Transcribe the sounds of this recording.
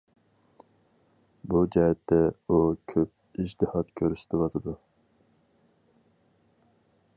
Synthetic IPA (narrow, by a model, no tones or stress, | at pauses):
bud͡ʒɛɦɛt̪ːɛukʲʰøp̚id͡ʒt̪ʰɨhɑt̪kʲʰøɾyʃd̪ewɑt̪ʰɨd̪u